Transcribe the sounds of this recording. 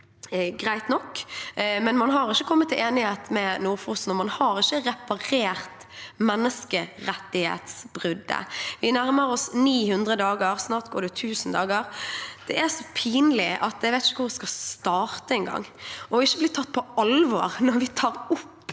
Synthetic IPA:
ɡʁæɪt̪nɔkː | mɛnmɑnɦɑɾɪçːəkʰɔmːət̪ːɪleːnɪheːt̪mɛnuːʁfʊsn̩ɔmɑnhɑɾɪʃːəʁɛpɑɾeːʁt̪ | mɛnːəskəɾɛt̪ːɪhḛːt̪sb̥ʁʏd̪ːə̰ʋɪnæɾməɾɔsniːhʉnd̪ʁəd̪ɑːɡəɾsnɑːɾt̪ɡoːɖɛt̪ʰʉːsn̩d̪ɑːɡəɾd̪̥ɛæɾsɔpʰiːnlɪʔɑt̪̚æɪʋæɪt̪ɪçəkʰʊɾʋɪskɑst̪ɑːɾt̪əɛnɡɑ̰ŋːɔɪʃːəblɪt̪ʰːɑt̪̚ːpʰɔɑlʋɔ̰ːʁnɔɾʋɪt̪ʰɑːɾʊpː

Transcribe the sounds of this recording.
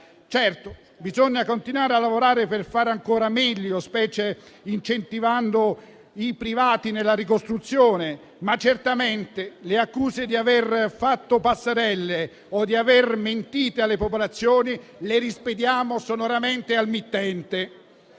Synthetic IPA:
t͡ʃɛrt̪o | bizoɲːakont̪inwaːɾealːavoɾaːɾeperfaːɾaŋkoːɾamɛʎːospɛːt͡ʃeint͡ʃent̪ivand̪o | ipɾivaːt̪inelːaɾikost̪ɾut̪sːjoːne | mat͡ʃːert̪amɛnt̪eleakːuːzed̪iaverfat̪ːopasːeɾɛlːe | od̪iaverment̪iːt̪ealːepopolat̪sːjoːni | leɾisped̪jaːmosonoɾamɛnt̪ealmit̪ːɛnt̪e

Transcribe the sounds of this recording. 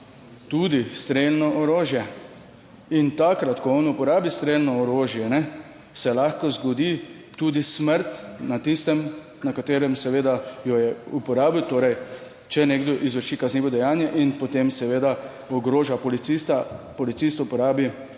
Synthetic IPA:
t̪uːd̪ist̪ɾelnɔʔɔɾoːʒjɛ | int̪akɾat̪kɔɔnupɔɾaːbist̪ɾeːlnɔɔɾoːʒjɛnɛ | sɛlaxkɔzɡɔd̪i | t̪ud̪isməɾt̪nat̪ist̪ɛm | nakat̪eːɾɛmsɛʋeːd̪ajɔjɛupɔɾaːbiwt̪oːɾɛj | t͡ʃɛneːɡd̪ɔʔizʋəɾʃikazniːʋɔd̪ɛjaːnjɛʔinpɔt̪emsɛʋeːd̪a | ɔɡɾoːʒapɔlit̪ist̪apɔlit̪sist̪upɔɾaːbi

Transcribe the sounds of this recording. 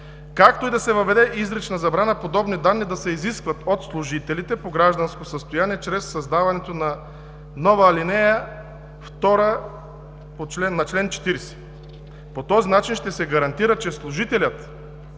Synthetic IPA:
kakt̪oid̪ɐsɛvɐvɛd̪ɛʔizɾɛt͡ʃnɐzɐbɾanɐpod̪ɔbnid̪anːid̪ɐsɛiziskvɐt̪ot̪slˠʊʒit̪ɛlit̪ɛpoɡɾaʒd̪ɐnskosəst̪ojaniɛt͡ʃɾɛsːɐzd̪avɐnɛt̪onɐ | nɔvəːlinɛjə | ft̪ɔɾə | pot͡ʃlɛnnːɐt͡ʃlɛnt͡ʃɛ̥t̪iɾɛsɛ̥ | pot̪ɔzinat͡ʃinʃt̪ɛsɛɡɐɾɐnt̪iɾət͡ʃɛslˠʊʒit̪ɛlʲət̪

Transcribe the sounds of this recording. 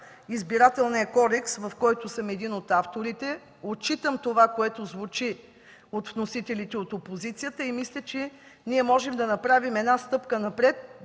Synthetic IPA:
izbiɾat̪ɛlˠnɛkɔɾɛksvɐfkɔjt̪ʊsəmɛd̪inot̪aft̪oɾit̪ɛ | ot͡ʃit̪əmt̪ovakoɛt̪ozvut͡ʃi | ot̪vnosit̪ɛlit̪ɛot̪opozit̪sijət̪əimislʲət͡ʃɛ | niɛmɔʒɛmd̪ɐnɐpɾavimɛd̪nast̪ɤpkənɐpɾɛt̪̚

